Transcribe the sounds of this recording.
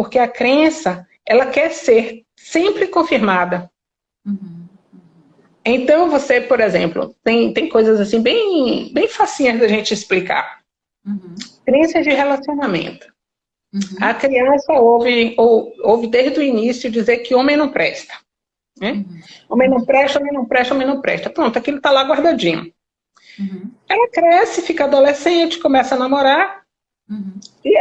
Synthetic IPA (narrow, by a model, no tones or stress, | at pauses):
poɾkeɐkɾẽsɐ | ɛlɐkɛɾseɾ | sẽmpɾɪkõfiɾmad̪ɐ | ẽnt̪ɐ̃w̃vosepoɾezẽmplʊ̰t̪ẽj̃t̪ẽj̃kojzɐzasĩbẽj̃bẽj̃fasĩɲɐzd̪ɐʒẽnt͡ʃɪisplika̰ɾ | kɾẽsɐd͡ʒɪɦelasiõnamḛ̃nt̪ʊ̥ | ɐkɾiɐ̃sɐowvɪowowvɪd̪ezd͡ʒd̪ʊinisjʊd͡ʒizeɾkɪõmẽj̃nɐ̃w̃pɾɛʃt̪ɐ̥ | nɛ̃õmẽj̃nɐ̃w̃pɾɛʃt̪ɐõmẽnɐ̃w̃pɾɛʃt̪ɐõmẽnɐ̃w̃pɾɛ̰ʃt̪ɐpɾõt̪ʊakilʊt̪alaɡwaɾd̪ad͡ʒĩɲʊ̰ | ɛlɐkɾɛsɪfikɐaːd̪olesẽt͡ʃɪ̥kõmɛsɐnamoɾaɾ | ɪ